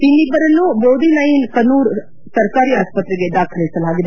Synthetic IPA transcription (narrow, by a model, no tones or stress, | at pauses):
pinibəɾənːũboːd̪inaːĩkɐnuːɾ | sɐɾkaːɾiaːspət̪ːɾəɡed̪aːkʰəlesəlaːɡd̪